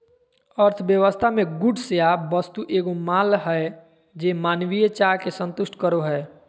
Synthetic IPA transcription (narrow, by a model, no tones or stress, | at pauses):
əɾt̪ʰbjəʋəst̪ʰamẽɡʊɖʱsejabəst̪uʔeːɡomaːlɦɛ | d͡ʒeːmaːnwijet͡ʃakesə̃nt̪ʊʃʈʰkəɾoɦɛː